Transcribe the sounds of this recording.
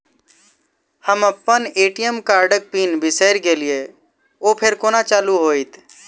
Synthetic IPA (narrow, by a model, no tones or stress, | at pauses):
həməpːəneːʈijəmkaːɾɖək̚piːnbʱɪsəɪɾkelie | oːpʰeɾkoːnat͡ʃaːluɦoːit̪